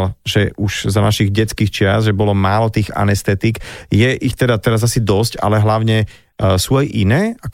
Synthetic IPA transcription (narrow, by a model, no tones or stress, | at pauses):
lʒɛʔuʒzanaʃiɣɟɛt͡skiːxt͡ʃɪasʒɛbɔlɔmaːlɔt̪iːɣa̰nɛst̪ɛt̪ikjɛʔixt̪ɛd̪at̪ɛɾazasid̪ɔsca̰lɛɦlaʊɲɛ | suajʔinɛːa